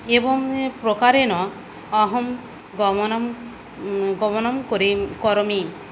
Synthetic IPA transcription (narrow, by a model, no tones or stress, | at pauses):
ebɔŋpɾokaɾenɔ | ɔɦɔm | ɡɔmɔnɔm | ɡɔmɔnɔmkoɾikɔɾɔmi